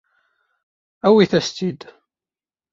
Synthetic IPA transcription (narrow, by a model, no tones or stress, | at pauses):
æwiθæst̪id̪